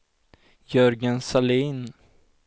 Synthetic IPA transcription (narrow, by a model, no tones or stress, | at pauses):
jœɾɡənsaliːn